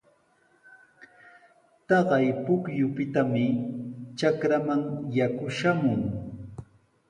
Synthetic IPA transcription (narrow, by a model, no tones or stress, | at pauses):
t̪ɑɢɑjpʊkjʊpɪt̪amɪt͡ʃakɾamaŋjakʊʃamʊŋ